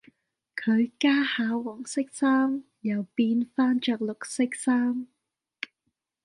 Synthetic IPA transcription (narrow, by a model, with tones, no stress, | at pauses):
kʰɵ˨˧ɥkaː˥haː˨˧wɔː˨˩ŋsɪ˥k̚saː˥m | jɐ˨˩wpiː˧nfaː˥nt͡ʃœː˨˧k̚lʊ˨k̚sɪ˥k̚saː˥m